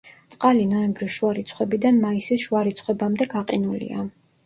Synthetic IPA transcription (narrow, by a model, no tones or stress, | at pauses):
t̪sʼqʼalinɔɛmbɾisʃuaɾit̪sʰχwɛbid̪anmaisisʃuaɾit̪sʰχwɛbamd̪ɛɡaqʼinulḭa̰